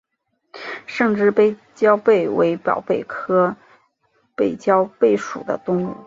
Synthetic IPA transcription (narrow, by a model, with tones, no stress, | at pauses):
ʂə˥˧ŋʈ͡ʂɻ̩˥˧pe˥˩ɪ | t͡ɕjɑ˥ʊpe˥˩ɪwe˧˥ɪpjɑ̰˨˩ʊpe˥˩ɪkʰɤ˥ | pe˥˩ɪt͡ɕjɑ˥ʊpe˥˩ɪʂu˨˩d̪ə̰˦t̪ʊ˥ŋṵ˥˩